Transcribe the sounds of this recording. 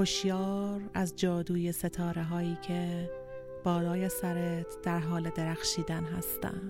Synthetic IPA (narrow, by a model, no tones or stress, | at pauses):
oʃjɒːɾæzd͡ʒɒːd̪uːjese̞t̪ʰɒːɾeɦɒːiːcʰe | b̥ɒːlɒːjesæɾet̪ʰd̪̥æɾɦɒːled̪eɾæxʃiːd̪ænɦæ̰st̪æ̰nd̪̥